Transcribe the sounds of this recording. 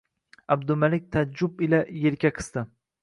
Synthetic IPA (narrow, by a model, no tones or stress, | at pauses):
ab̚d̪ʊmalɪk̚ʲt̪ʰad͡ʒʊbɪlajeɾkʲaqʰɨ̥st̪ɪ